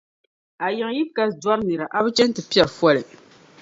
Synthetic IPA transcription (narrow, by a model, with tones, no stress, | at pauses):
a˨jɛ˨ŋ˦ji˦bka˦sdwa˦ɾnɨ˨ɾa˨ʔa˦bɨ˦t͡ʃɛ˦n˦tɨ˨pi˦ɛ˨ɾfwɔ˦lɨ˨